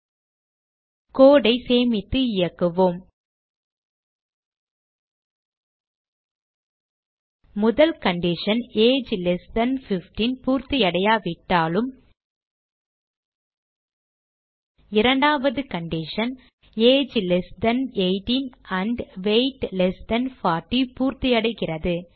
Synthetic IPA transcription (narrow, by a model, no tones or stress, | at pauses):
koːɽɐɪseːmɪt̪ːɯɪjɐkːɯʋoːm | ʊðɐlkɐɳɖɪʂɐneːd͡ʒlɛsd̪ɐnfɪfʈinpuːɾt̪ɪjɐɽɐjaːʋɪʈːaːlɯm | ɪɾɐɳɖaːʋɐðɯkɐɳɖɪʂɐn | eːd͡ʒlɛsd̪ɐneɪʈinɐɳɖʋeɪʈlɛsd̪ɐnfaːʈːipuːɾt̪ɪjɐɽɐɪɣɪrɐðɯ